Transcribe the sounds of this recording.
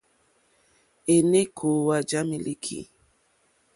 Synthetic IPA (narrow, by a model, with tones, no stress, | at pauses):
e˨ne˦kʰo˨wa˨d͡ʒa˦mi˦li˦kʰḭ˨